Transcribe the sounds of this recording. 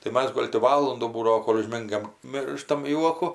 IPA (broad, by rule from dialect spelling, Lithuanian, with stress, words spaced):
tɐɪ ˈmɐs ˈɡoːlʲ tʲɪ ˈʋɑːlˠʊnduː ˈbuːdɐʋoː ˈkoːlʲ ʊʒʲˈmʲɪŋɡɐm ˈmʲɪrʃtɐm ˈjuɔkʊ